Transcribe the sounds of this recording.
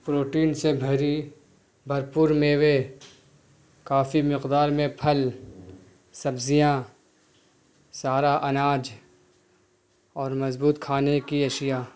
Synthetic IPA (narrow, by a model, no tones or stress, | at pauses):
pɾoːʈiːnsebʱɐɾi | bʱɐɾpʊːɾmeːʋe | kaːfimɪqd̪aːɾmẽpʰɐl | sɐbzijã | saːɾaʔɐnaːd͡ʒ | ɔːɾmɐzbuːt̪kʰaːnekiɐʃɪjaː